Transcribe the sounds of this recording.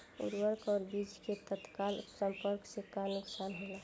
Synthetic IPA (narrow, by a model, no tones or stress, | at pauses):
ṵɾwəɾkɔːɾbid͡ʒket̪ət̪kalsəmpəɾksekanʊksanɦola